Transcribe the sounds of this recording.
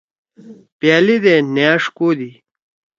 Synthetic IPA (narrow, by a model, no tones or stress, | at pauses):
pjaːlid̪enjaːʂkoːd̪i